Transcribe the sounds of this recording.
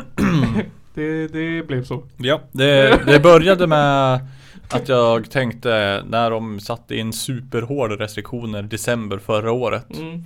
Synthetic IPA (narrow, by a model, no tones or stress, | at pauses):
d̪̥ɛd̪ɛblɛvsojɑd̪ɛd̪ɛbœɾjad̪əmɛ | ʔat̪jɑːɡt̪ʰɛŋkt̪ənæɖɔmsat̪ːəɪnːsʉ̟ːpəɾɦoːɖɾɛst̪ɾɪkɧuːnəɾd̪ɛsɛmbəɾfœɾaoːɾʔə̰t̪